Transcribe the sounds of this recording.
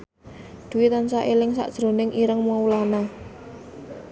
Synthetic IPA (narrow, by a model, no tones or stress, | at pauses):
d̪̥ṳwit̪ansaʔelɪŋsa̰ʔd̥ʒ̥ɾo̤nɪŋʔiɾəŋmaulana